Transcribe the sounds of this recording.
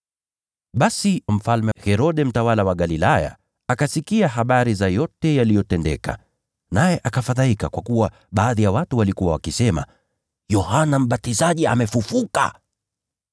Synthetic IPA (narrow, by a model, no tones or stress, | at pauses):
ɓasim̩falmɛhɛɾɔɗɛm̩tawalawaɠalilaja̰ | akasikiaɦaɓaɾizajɔtɛjalijɔtɛndɛ̰ka̰ | najɛʔakafaðaikakwakuwa | ɓaːðijawatuwalikuwawa̰kisɛma̰ | jɔhanam̩ɓatizaʄia̰mɛfufuka̰